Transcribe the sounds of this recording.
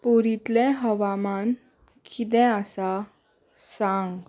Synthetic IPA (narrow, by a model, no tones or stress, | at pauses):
puɾit̪lɛ̃ɦəʋaman | kʰit̪ɛ̃asa | sãŋɡ